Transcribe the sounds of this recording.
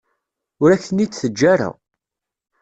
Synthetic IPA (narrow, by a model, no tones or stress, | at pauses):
ʊɾæçənit͡sθəd͡ʒːæɾæ̰